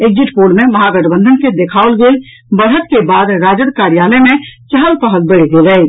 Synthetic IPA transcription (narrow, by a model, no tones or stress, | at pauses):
eɡ̚d͡ʒiʈpoɖmeməɦaɡəʈbə̃nd̪ʱənked̪ekʰaolɡeːl | bəɽɦət̪kebad̪ɾad͡ʒəd̪kaɾijaləmet͡ʃəɦəlpəɦəlbəɽ̤ɡelə